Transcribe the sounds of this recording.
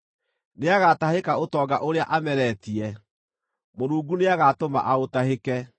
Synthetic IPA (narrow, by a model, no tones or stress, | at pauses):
neaɣatahekaotɔːɡaʔoɾeaʔamɛɾɛtiɛ | moɾuːɡuneaɣatoma̰ʔaotahekɛ